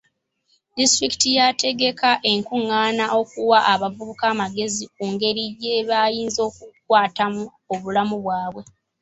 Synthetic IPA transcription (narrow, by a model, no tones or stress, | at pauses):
distɾiki̥tijatʰe̞ɡe̞kaʔe̞ŋkuŋːaːnaʔo̞kuwaʔaβavuβukaːmaɡe̞zikuːŋɡe̞ɾijeβaːjiːnzo̞ːk̚ukwaːtamu | o̞βulamuβwaːβwe̞